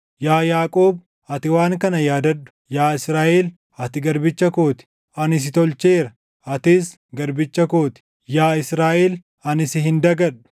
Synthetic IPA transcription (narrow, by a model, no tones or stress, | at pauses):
jaːjaːkʼoːb | ɐt̪ɪwaːŋkɐnɐjaːd̪ɐᶑʊ̥jaːɪsɾaːʔeːl | ɐt̪ɪɡɐɾbɪt͡ʃːɐko̞ːt̪ɪ̥ | ɐnɪs̬ɪt̪ɔlt͡ʃeːɾɐ | ɐt̪ɪs | ɡɐɾbɪt͡ʃːɐko̞ːt̪ɪ̥ | jaːɪsɾaːʔeːl | ɐnɪsɪɦɪnd̪ɐɡɐᶑʊ̥